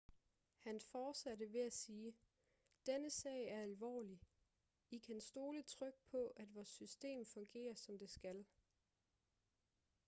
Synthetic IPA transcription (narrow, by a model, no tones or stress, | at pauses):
hænfɒːd̥sædəʋe̝æsiː | d̥enəsɛ̰ːɪæɐælʋɒ̰ːli | ikʰænsd̥o̝ːlət͡sʰʁœɡ̥̚pʰɒ̽ʔæd̥ʋɒːsːysd̥e̝̰ːmfɔ̽ŋɡ̥e̝̰ːɐsɒ̽md̥e̝sɡ̥æl